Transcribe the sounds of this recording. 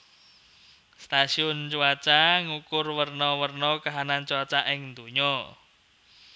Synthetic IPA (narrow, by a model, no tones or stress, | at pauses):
st̪asiʊnt͡ʃuat͡ʃaŋukʊrwərnɔwərnɔkaɦanant͡ʃuat͡ʃaʔɪŋnd̪uɲɔ